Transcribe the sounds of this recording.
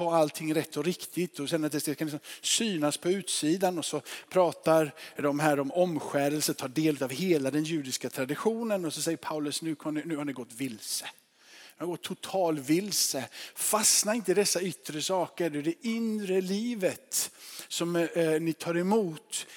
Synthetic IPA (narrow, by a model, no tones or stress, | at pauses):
ɔalt̪ʰɪŋːɾɛt̪ːɔɾɪkt̪ʰɪt̪ɔɕɛnːəɾat̪d̪ɛsd̪ɛskaɪsɔmsyːnaspʰɔʉ̟ːt̪siːd̪anɔsɔpʰɾɑːt̪aɾd̪ɔmɦæːɾɔmɔmɧæːɾəlsət̪ʰɑːɖeːlʉt̪avɦeːlad̪ɛnjʉ̟ːd̪ɪskat̪ʰɾad̪ɪɧuːnənɔsɔsɛjːəɾpʰaʉlɵsnʉ̟ːkʰɔmnɪnʉ̟ːhanɪɡɔt̪ːvɪlsə | haɾɡɔt̪ʰːʊt̪ʰɑːlvɪlsəfasnaɪnt̪əɪd̪ɛsːaʏt̪ːɾəsɑːkəɖɛd̪ɛʔʏnɾəliːvət̪sɔmnɪt̪ʰɑːɾɛmuːt̪